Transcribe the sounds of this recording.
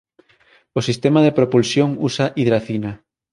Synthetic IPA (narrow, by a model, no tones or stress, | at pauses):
osist̪emaðepɾopulsjoŋusaʔiðɾaθina